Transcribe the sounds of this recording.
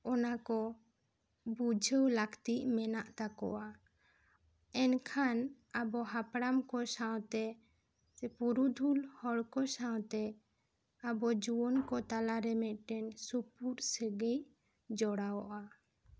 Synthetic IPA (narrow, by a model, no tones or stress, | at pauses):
ɔnakɔ | bud͡ʒʱəwlakʰt̪iʔmɛnaʔt̪akɔ̰wa | ɛnkʰan | abɔɦapɽamkɔsawt̪ɛ | puɾud̪ʱulhɔɽkɔsaw̃t̪ɛ | abɔd͡ʒuwɔnkɔt̪alaɾɛmɛʔ̪ʈɛnsupuɾsəɡej | d͡ʒɔɽawɔʔa